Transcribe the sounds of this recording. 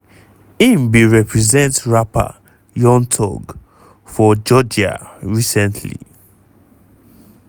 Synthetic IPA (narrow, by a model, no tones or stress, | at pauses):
ĩmbiɹɛpʰɹɛzɛ̃ntɹapa̰ | jɔ̃ntʰɔ̰ɡ | fɔd͡ʒɔd͡ʒa̰ɹisɛ̃ntʰlḭ